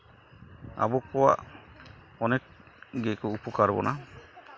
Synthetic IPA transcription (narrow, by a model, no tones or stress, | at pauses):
a̰bɔkɔwa̰ʔ | ɔnɛk̚ | ɡɛkɔupɔkaɾbɔ̰na